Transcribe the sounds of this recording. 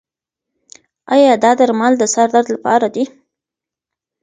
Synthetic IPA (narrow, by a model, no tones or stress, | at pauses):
ɑjɑd̪ɑd̪aɾmɑld̪əsaɾd̪aɾd̪lapɑ̰ɾad̪i